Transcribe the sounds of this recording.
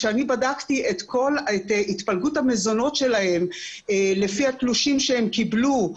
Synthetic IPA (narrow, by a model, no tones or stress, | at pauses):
ʃeanibadaktiʔe̞t̪kʰo̞letit̪palɡuthame̞zo̞no̞tʃe̞lahe̞m | le̞fihakluʃimʃeemkiblu